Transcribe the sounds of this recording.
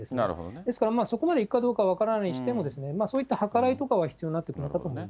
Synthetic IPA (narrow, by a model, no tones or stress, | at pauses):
esɨnna̰ɯ̰o̰d̪esɨ̥kaɾamaːso̞ko̞mad̪e̞ikɯ̟kad̪o̞ːkaβ̞akaɾanaiɕi̥t̪emo̞d̪e̞sɨne̞maːso̞ːit̪ːahakaɾait̪o̞kaβaçi̥t͡sɨijo̞ɲninat̪ːkɯ̟nok̪at̪o̞ːmoima